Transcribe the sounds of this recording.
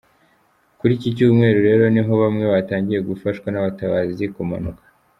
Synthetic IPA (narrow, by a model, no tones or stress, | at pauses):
kuɾicicuːmŋe̞ːɾuɾe̞ːɾo̞niɦo̞βamŋe̞βataːɲɟije̞ɡufaʃkwanaβataβaːzizikoma̰nukḁ